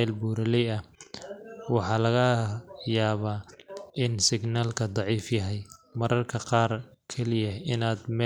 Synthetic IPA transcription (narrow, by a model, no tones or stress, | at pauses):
ɛlbuːɾɐlɛjɐ | wɑħɑːlɐɣɐjaːβaːʔɪnsɪɡnaːlkʰɐd̪ˤɑʕiːfjɐɦɛjmɐɾʔɐrkʰɐqɑːrkʰɛlɪjɐɪnaːd̪mɛ